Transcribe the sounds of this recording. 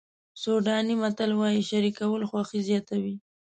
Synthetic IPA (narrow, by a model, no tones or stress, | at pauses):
soɖɑnimat̪alwɑjiʃaɾikawəlxwɑxizjɑt̪awi